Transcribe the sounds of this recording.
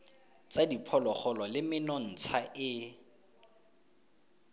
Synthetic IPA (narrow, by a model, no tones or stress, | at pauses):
t͡sadipʰɔlɔχɔlɔlɪmɪnɔn̩t͡sʰaʔɪ